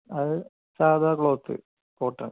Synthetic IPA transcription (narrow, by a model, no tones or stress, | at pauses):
ɐðɨ | saːd̪ʱaːkɭoːt̪ːɨ̰ | poːʈːɐn